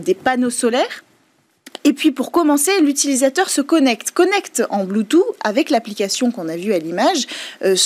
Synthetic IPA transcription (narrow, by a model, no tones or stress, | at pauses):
d̪epanosɔlɛːʁ | epɥipuʁkɔmɑ̃selyt̪ilizat̪œʁsəkɔnɛkt̪kɔnɛkt̪ɑ̃blut̪ua̰vɛklaplikʲasjɔ̃kɔ̃navyalimaʒøs